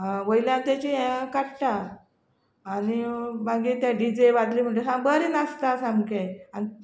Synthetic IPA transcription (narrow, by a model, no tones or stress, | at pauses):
ɦãʋəjljãnt̪jat͡ɕiẽkaʈʈa | nibaɡiːt̪jaɖid͡ʑejʋat̪liːm̤əɳd͡ʑesãmbəɾinast̪asamkeani